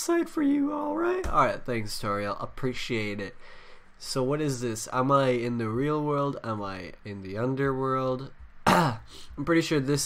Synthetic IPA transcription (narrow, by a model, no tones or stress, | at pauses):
saɪd̥fə˞jɨɔlˠɹaɪt̚ɔ̰lˠɹaɪt̪̚θæ̃ŋkstʰɔɹiʔə̰pʰɹ̥iʃieɪɾɪt̚ | soʊwʌɾɨzðɪsə̰̃maɪɪ̃nðɨɹilˠwɜ˞lˠdə̃maɪɪ̃nðiʌ̃ndə˞wɜ˞lˠd | ãɪ̃mpʰɹ̥ɪɾiʃʊɹðɪs